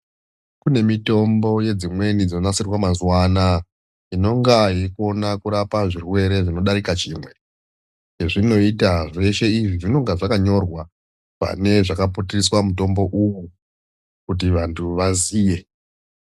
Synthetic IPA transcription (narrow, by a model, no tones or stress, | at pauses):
kune̞mito̞mbo̞je̞d͡zimwe̞nid͡zonasirwamazwana | ino̞ŋɡaiko̞nakuɾapaʐirwe̞ɾe̞ʐino̞ɗaɾikat͡ʃiːmwe̞ | eʐino̞itaʐe̞ʃe̞iʐiʐino̞ŋɡaʐakaɲo̞rwa | pa̰ne̞ʐakaputiriswamuto̞mbo̞ʔuwu | kut̬iʋantʰuʋaziːje̞